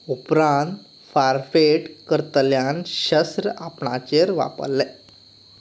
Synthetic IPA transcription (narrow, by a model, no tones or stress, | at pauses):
upɾãnt̪ | faɾfeʈkəɾt̪əljanɕəsɾəapɳat͡ɕeɾʋa̰pə̰lːɛ